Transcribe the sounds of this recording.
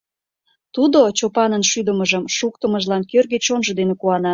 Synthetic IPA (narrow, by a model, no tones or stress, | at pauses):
t̪ud̪ot͡ɕopɑnənʃyd̪əməʒəmʃuk̚t̪əməʒlɑnkørɣet͡ɕonʒə̆d̪enekuɑnɑ